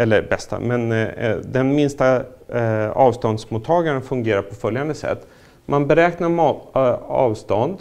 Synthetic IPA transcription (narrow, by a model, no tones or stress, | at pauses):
ɛlːəɾbɛst̪a̰mɛnd̪ɛnmɪnst̪a | ɑːvst̪ɔnd̪smut̪ʰːɑːɡaɾənfɵŋɡeːɾapʰɔfœljand̪əsɛ̰t̪ː | manbɛɾɛːknaɾm | ɑ̰ːvst̪ɔnd̪